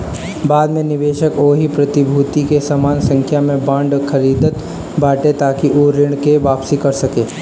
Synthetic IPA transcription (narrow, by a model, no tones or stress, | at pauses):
baːd̪mẽnɪʋeːʃəkoːɦipɾɐt̪ɪbʱuːt̪ikesamaːnsɐ̃ŋkʰjamẽbãːɳɖkʰɐɾiːd̪ət̪ | bʱaːʈet̪aːkiʔoɾɪɽ̃keʋaːpsikɐɾsɐkeː